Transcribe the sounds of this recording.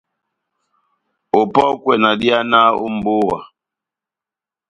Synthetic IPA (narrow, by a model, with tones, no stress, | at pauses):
o˨pɔ˦kwɛ˨na˨di˦a˦na˦o̰˦m̩˨bo˦wa̰˨